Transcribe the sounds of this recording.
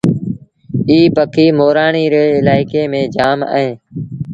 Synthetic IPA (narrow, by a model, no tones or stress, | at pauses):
iːpəkʰiːmoːɾaːɳiːɾeːɪlaːɪkeːmẽːd͡ʒaːma̰ːɦẽː